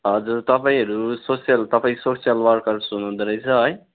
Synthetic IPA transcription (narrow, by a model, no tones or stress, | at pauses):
ɦʌd͡zuɾt̪ʌpaĩɦʌɾusosijʌlt̪ʌpaĩksosijalʋʌɾkʌɾsunũd̪ɾʌjt͡sʰʌɦʌj